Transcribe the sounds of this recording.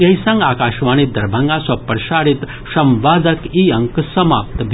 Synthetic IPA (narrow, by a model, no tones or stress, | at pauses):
ɐjsãŋɡaːkaːʃʋaːñid̪ɐɾbʱaŋɡasʋɐpəɾʃaːɽit̪ | ʃɐmʋaːd͡z̪ɐkiɐŋksɐmaːp̚t̪bʱ